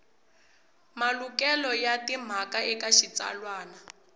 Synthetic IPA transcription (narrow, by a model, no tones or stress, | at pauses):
malukɛlɔjatim̤akaʔɛkaʃit͡sa̰lwaːna